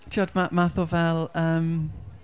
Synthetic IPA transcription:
tʰiɔdmamaθʊvɛlˠəːm

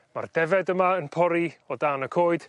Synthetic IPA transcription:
ma̰rdɛvɛdəmaənpʰɔɾiɔdanəkʰoːɨd̥

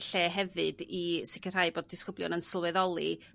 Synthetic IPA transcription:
ɬeːɦɛvɨdisɪkʰəraɨboːd̚ɪskʊblˠjʊ̰nənsɔlˠwɛðɔlˠḭ

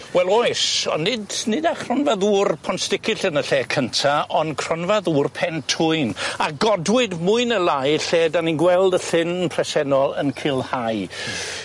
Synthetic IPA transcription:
wɛlˠojsɔ̰nːɪdnɪdaχrɔnvaðuːrpʰɔnstɪkʰɪɬənəɬeːkʰəntʰaʔɔnkʰr̥ɔnvaðuːrpʰɛntʰʊɨnaɡɔdwɪdmʊɨnəlˠajɬeːdaninɡwɛlˠdəθɪnpʰrɛsɛnɔlˠə̰nkʰɪlˠhaj

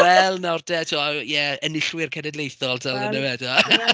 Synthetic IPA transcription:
wɛlˠnardɛtʰuajɛənɪɬwɪrkʰɛnɛdlejθɔlˠtʰalˠɡənəwɛdɔa

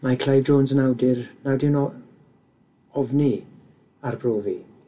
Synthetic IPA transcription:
makʰl̥ajvd͡ʒoːnsənawdɪrnawdɪwnɔ | ɔvni | arbroːvi

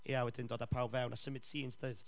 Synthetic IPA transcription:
ḭjawɛdɪndoːdapʰawbvɛwnʔasəmɪd̥siːnsdəɨð̥

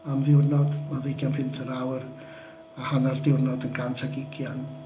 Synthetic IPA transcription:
amðɪwrnɔdmaðejɡjanpɪntʰəɾawr | ahanardɪwrnɔdənɡantʰaɡɪɡjan

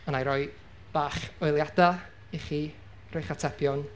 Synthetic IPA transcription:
ənajɾɔɨ | b̥aːχɔɨlˠjada | iχiː | rojχatʰɛbjɔn

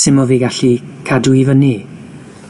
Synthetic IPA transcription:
sɪmɔviːɡaɬi | kʰaduivəni

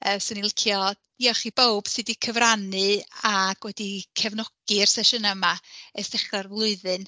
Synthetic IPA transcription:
əːsʊnilˠɪkʰjɔ | iɔχibowb̥sɨdikʰəvranɨaɡ̥wɛdikʰɛvnɔɡ̥ɨrsɛʃənamaɛstɛχrarvlˠʊɨðɨn

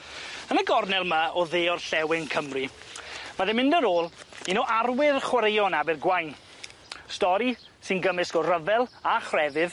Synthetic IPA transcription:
ənəɡɔrnɛlˠmaɔðeːɔrɬɛwɪŋkʰəmrivaðɛmɪ̃ndəɾoːlˠinoʔarwɪrχwaɾejɔnabɪrɡwajn | stɔɾi | sɨnɡəmɨsɡɔrəvɛlˠaχrɛvɨð

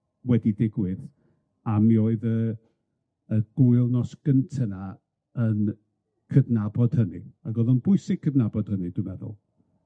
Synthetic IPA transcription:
wɛdidɪɡwɪð | amioːɨðə | əɡ̥ʊɨlˠnɔsɡ̥əntʰəna | ən | kʰədnabɔd̥hənɨaɡɔðənb̥ʊɨsɪɡ̚kʰədnabɔd̥hənɨdʊmɛðʊ̰lˠ

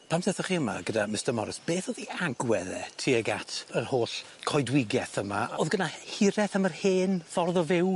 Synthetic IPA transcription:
pʰamsɛθɔχiəma̰ɡədamɪstəmɔ̰ɾɪsb̥eːθɔðiaɡwɛðɛtʰiəɡatʰərhoːɬ | kʰɔjdwɪɡjɛθəmaoðɡənahɪɾɛθamərheːnfɔrðɔvɪw

